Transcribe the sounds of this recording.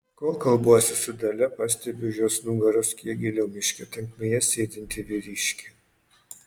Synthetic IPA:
koːkɐlˠbuɔsʲɪsʊd̪ɐlʲɛpɐsʲt̪ʲɛbʲʊʒʲoːsnʊŋɡɐɾʊskʲiɛɡʲɪlʲɛʊmʲɪʃʲkʲɛt̪ʲɛŋkmʲeːjɛsʲeːd̪ʲɪnʲt̪ʲɪʋʲɪɾʲiːʃʲkʲe

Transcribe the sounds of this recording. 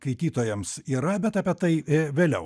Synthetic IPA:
kɐɪt̪ʲiːt̪oːjɛmsiːɾɐbʲɛt̪ɐːpʲiɛt̪ɐɪʋʲeːlʲɛʊ

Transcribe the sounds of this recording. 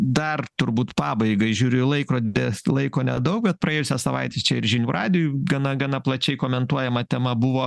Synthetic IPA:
d̪ɐrt̪ʊɾbuːt̪pɑːbɐɪɡɐɪʒʲuːɾʲʊɪlˠɐɪkɾoːd̪ʲɪlˠɐɪkoːnʲɛd̪ɐʊk̚bʲɛt̪̚pɾɐeːjʊsʲɛssɐʋɐ̰ɪt̪ʲeːst͡ʃʲɛɪɾʒʲɪnʲuːrʔɑːd̪ʲɪjuɡɐnɐɡɑnɐplˠɐt͡ʃʲɛɪkoːmʲɛnt̪uɔjɛmɐt̪ʲɛmɐbʊʋoː

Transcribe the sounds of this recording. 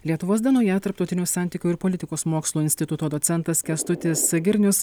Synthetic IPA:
lʲiɛt̪ʊʋoːsd̪ʲɛnoːjɛt̪ɐɾpt̪ɒʊt̪ʲɪnʲuːsɑˑnʲt̪ʲiːkʲuːɪɾpɔlʲɪt̪ʲɪkoːsmoːkslˠuːɪnʲsʲt̪ʲɪt̪ʊt̪oːd̪oːsʲɛnˑt̪ɐskʲɛst̪ʊt̪ʲɪsɡʲɪɾʲnʲʊs

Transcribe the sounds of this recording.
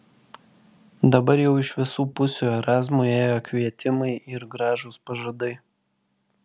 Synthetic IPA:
d̪ɐbɐɾjɛʊɪʃʋʲɪsuːpʊsʲuːɛɾɑːzmuːeːjoːkʋʲiɛt̪ʲɪmɐɪʔɪɾɡɾɑːʒoːspɐʒɐd̪ɐɪ

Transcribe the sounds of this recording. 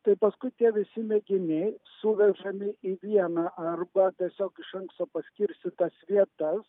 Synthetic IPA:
t̪ɐɪpɐskʊɪt̪ʲiɛʋʲɪsʲɪmʲɛɡʲɪnʲɛɪsʊʋʲɛʒɐmʲɪʔiːʋʲiɛnɑːʔɐrbɐt̪ʲiɛsʲoːkɪʃɐŋkst̪oːpɐsʲkʲɪɾʲst̪ʲɪt̪ɐsʋʲiɛt̪ɐs

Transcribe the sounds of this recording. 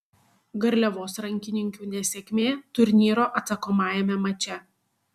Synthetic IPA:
ɡɐɾʲlʲɛʋoːsɾɐŋʲkʲɪnʲɪŋʲkʲuːnʲɛsʲekʲmʲeːt̪ʊɾʲnʲiːɾoːʔɐt̪sɐkoːmɑːjɛmʲɛmɐt͡ʃʲɛ

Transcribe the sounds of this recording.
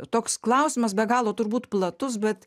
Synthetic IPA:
t̪oːksklˠɐʊsʲɪmɐsbʲɛɡɑːlˠoːt̪ʊɾbuːt̪plˠɐt̪ʊs̬bʲɛt̪

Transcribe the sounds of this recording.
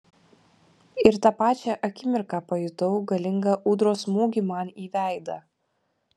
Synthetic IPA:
ɪɾt̪ɑpɑːt͡ʃʲɛʔɐkʲɪmʲɪɾkɑpɐjʊt̪ɔʊɡɐlʲɪŋɡɐʔuːd̪ɾoːsmuːɡʲiːmɑniːʋʲæˑɪd̪ɐ

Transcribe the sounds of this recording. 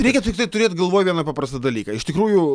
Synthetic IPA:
ɾʲɛɪkʲɛt̪ʲɪk̚t̪ɐɪt̪ʊɾʲeːt̪ʲɡɐlˠʋoːjʋʲiɛnɐpɑːpɾɐst̪ɪd̪ɐlʲiːkɐɪʃt̪ʲɪkɾuːjʊ

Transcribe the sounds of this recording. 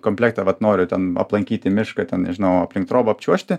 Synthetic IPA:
komʲpʲlʲeːkt̪ɐʋɐt̪noːɾʲʊt̪ʲɛnɐ̰plˠɐŋʲkʲiːt̪ʲɪmʲɪʃkɐtʲɛnʒʲɪnɐʊɐpʲlʲɪŋk̚t̪ɾoːbɐɐpʲt͡ʃʲuɔʃʲt̪ʲɪ

